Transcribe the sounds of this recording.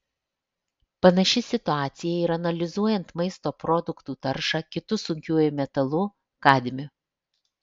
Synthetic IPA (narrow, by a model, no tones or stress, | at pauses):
pɐnɐʃʲɪsʲɪt̪ʊɑːt̪sʲɪjɛiːɾɐnɐlʲɪzuɔjɛnt̪mɐɪst̪oːpɾɔd̪ʊkt̪uːt̪ɐɾʃɑːkʲɪt̪ʊsʊŋʲkʲuɔjʊmʲɛt̪ɐlˠʊ | kɑːd̪ʲɪmʲʊ